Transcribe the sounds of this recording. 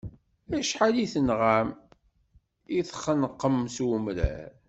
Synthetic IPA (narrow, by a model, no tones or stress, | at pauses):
æʃħaliθənʁam | iθχənəqːəmsumɾæ̰